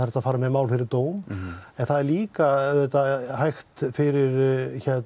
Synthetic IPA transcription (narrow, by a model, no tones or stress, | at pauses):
ɛɾ̥t̪aðfaːɾamɛðmaːwlfɪɾɪɾt̪oːwmɛnθaðɛɾliːkaðɛt̪ːaɦajxt̪fɪɾɪɾçɛt̪